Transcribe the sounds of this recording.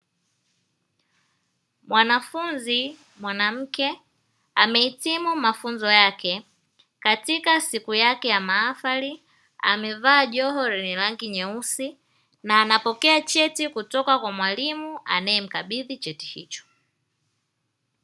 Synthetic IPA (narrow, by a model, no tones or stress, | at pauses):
mwanafunzi | mwanam̩kɛ | amɛitimumafunzɔjakɛ | katikasikujakɛjamaːfali | a̰mɛvaːʄɔɦɔɾinilaŋɡiɲɛusi | naːnapɔkɛat͡ʃɛtikutɔkakwamwalimua̰nɛɛm̩kaɓiðit͡ʃɛti̥hḭt͡ʃɔ̥